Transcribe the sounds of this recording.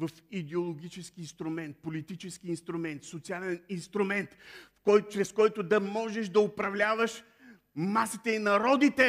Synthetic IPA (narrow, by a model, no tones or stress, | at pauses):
vɐfid̪ɛolˠoɡʲit͡ʃɛskiːnst̪ɾʊmɛnt̪̚polit̪it͡ʃɛskiːnst̪ɾʊmɛnt̪sot̪sialʲɛninst̪ɾʊmɛnt̪fkɔjt͡ʃɾɛskɔjt̪ʊd̪ɐmɔʒɛʃd̪ɐʊpɾɐvlʲavəʃ | masit̪ɛinɐɾɔd̪it̪ɛ